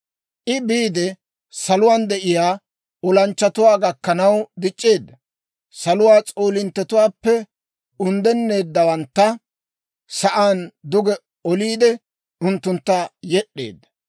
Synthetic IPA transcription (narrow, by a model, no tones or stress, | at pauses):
ʔɪbiːd̪ɛ | sɐlʊwaːnd̪ɛʔɪjaː | ɔlɐnt͡ʃːɐt̪ʊwaːɡɐkːɐnɐwd̪ɪt͡ʃʼːeːd̪ːɐ | sɐlʊwaːt͡sʼoːlɪnt̪ːɛt̪ʊwaːpːɛ | ʊnd̪ɛnːe̞ːd̪ːɐwɐnt̪ːɐ | sɐʔaːnd̪ʊɡɛ | ɔliːd̪ɛ | ʊnt̪ːʊnt̪ːajɛɗːe̞̰ːd̪ːɐ̥